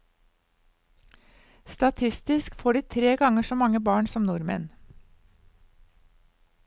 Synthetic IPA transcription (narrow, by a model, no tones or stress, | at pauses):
st̪ɑt̪ʰɪst̪ɪskfoːɖiːt̪ʰɾeːɡɑŋəʃoːmɑŋəbɑːɳsɔmnʊɾmə̰n